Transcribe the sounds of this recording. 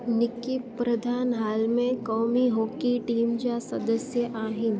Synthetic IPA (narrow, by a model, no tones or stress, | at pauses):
nɪkipɾɐd̪ʱaːnɦaːlmẽkɔːmiɦoːkiʈiːmd͡ʒasɐd̪əsjəʔaːɦɪn